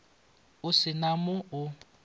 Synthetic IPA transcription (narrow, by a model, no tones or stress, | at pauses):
ʊsɪnamʊʊ